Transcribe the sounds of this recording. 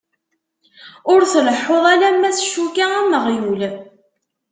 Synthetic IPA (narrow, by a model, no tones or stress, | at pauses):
ʊɾθələħːoðˤalæmːæθʃukaæməʁjul